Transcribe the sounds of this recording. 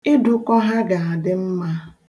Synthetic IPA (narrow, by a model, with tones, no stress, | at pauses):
ɪ˦du˨kɔ˦ɦa˦ɡa˨a˨dɪ˦m̩˦ma˦